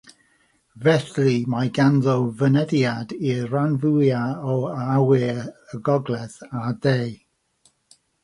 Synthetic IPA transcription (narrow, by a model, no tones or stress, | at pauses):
vɛθrimajɡanðɔwvənəðjadiranvujaɔawɪəɡɔɡlɛθadej